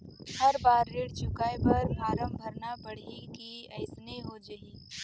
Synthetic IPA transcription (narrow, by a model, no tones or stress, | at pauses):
hɐɾbaːɾːeːɽt͡ʃʊkaːjpɐɾmʱaːɾəmbʱɐɾnapɐɽ̤ikiɐɪsneɦod͡ʒɐiː